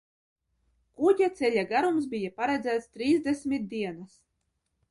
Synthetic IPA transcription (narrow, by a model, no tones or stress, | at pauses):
kudʲat̪sʲɛlʲaɡaɾums̬bijapaɾæd̪zʲæːt̪st̪ɾiːzd̪ʲesʲmʲit̪̚d̪iɛnas